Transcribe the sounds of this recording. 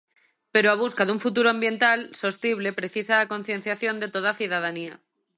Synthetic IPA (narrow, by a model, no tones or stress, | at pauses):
pe̞ɾoaβ̞uskaðuɱfut̪uɾoambjẽ̞nt̪also̞st̪iβle̞pɾe̞θisaːko̞nθje̞n̟θjaθjo̞nd̪e̞t̪oð̞aθjuð̞að̞ania